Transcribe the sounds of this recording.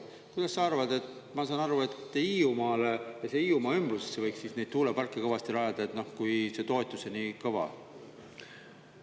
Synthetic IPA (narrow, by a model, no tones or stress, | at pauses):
kujd̪̥ɑsːɑɑrvɑd̪e̞t̪ | mɑsɑːnɑɾue̞t̪ːˑiːumɑːlejɑse̞iːumɑːymb̥ruse̞sːe̞vɤjksiːsne̞jd̪̥t̪uːlepɑrkˑːekɤvɑst̪ilɑjɑd̪̥ɑet̪ˑno̞hkujse̞t̪o̞et̪ːˑusenikɤvɑ̰